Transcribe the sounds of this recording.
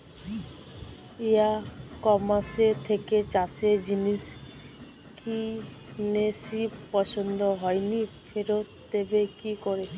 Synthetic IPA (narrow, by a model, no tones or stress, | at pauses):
eakɔmaseɾt̪ʰeket͡ʃased͡ʒinis | kʰinesipɔsɔnd̪ɔɦɔjnipʰeɾot | t̪ebekikɔɾe